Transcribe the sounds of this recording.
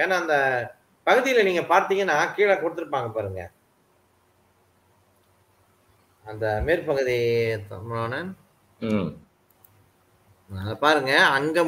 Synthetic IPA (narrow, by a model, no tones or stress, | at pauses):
eːnːaːɐnd̪ɐ | pɐɣɯðɪjɪlɐniːŋɡɐpaːɾt̪iːŋɡɐnːaːkiːɭaːkɔɽɯt̪ːɯɾɯpːaːŋɡɐpaːɾɯŋɡɐ̰ | ɐnd̪ɐmeːɾpɐɣɯðit̪mʊɳoːnɐ | ðpaːɾɯŋɡɐɐŋɡe